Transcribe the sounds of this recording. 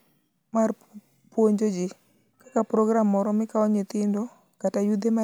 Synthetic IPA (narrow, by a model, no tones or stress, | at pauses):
mar | pwoɲd͡ʒod͡ʒɪ | kakapɾɔɡɾamːɔɾɔmɪkaɔɲɪt̪ɪndo | katajud̪ema